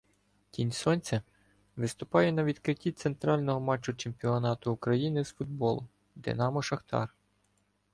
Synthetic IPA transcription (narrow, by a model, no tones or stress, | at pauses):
tʲinʲsɔnʲt͡sʲɐ | ʋɪst̪ʊpɑjɛnɐʋʲid̪kɾɪtʲːit̪se̞nt̪ɾɑlʲnɔɦɔmɑt͡ʃːʊt͡ʃemʲpʲiɔnɑt̪ʊːkɾɐjinɪzfʊd̪̚bɔlˠʊ | d̪ɪ̰nɑmɔʃɐxt̪ɑ̰r